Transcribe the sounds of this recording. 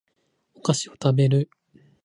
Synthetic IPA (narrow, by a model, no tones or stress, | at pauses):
okaɕiot̪abe̞ɾɯ̟